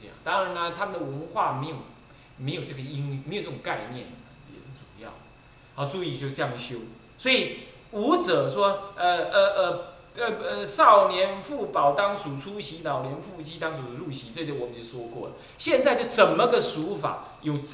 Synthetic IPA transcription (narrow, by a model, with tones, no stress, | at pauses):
ŋt̪ɑ˥ŋɻa˧˦na˧t̪ʰa˥mə˨nd̪ə˩wə˧˦˥nxwa˥˩me˧˥ɪjo˨˩ʊ | me˧˥ɪjo˨˩ʊʈ͡ʂɤ˥˩ɡə˨i˥ŋme˧˥jt͡sə˥˩ʊ˨ŋ˦ka˥˧ɪnjɛ̰˥˩nd̪ə˩jɛ̰˨˩ʂɻ̩˥˩t͡su̥˨˩jɑ̰˥˩ʊd̪ | hɑ˥˩t͡su˥˧i˥˨˩t͡ɕjo˥˧ʈ͡ʂɤ˥˧jɑ˥˩ŋ˩ɕjo˥ʊ | swɔ˧˥i˨˩ | u˧˥t͡sɤ˨˩ʂwɔ˥ə˧ə˧ʔə˧ | ə˧˩ə˧˩ʂɑ˥˩ʊnjɛ˧˥nfu˥˩pɑ˨˩ʊt̪ɑ˥ŋʂu˨˩t͡sʰu˥ɕi˧˥nɑ˨˩ʊljɛ˧˥nfu˥˧t͡ɕʰi˥t̪ɑ˥ŋsu˨˩d̪ə˦ɻu˥˩ɕi˧˥t͡swɪt̪o˥wɔ˨˩mə˦nt͡ɕjo˥˩ʂwɔ˥kwɔ̰˥˩lə̰˩ | ɕjɛ˥˧nt͡sa˥˧ɪt͡ɕjo˥˩ʊt͡sə˨˩nmə˦ɡə˨ʂu˧˥fa̰˨˩˦ | jo˨˩ʊ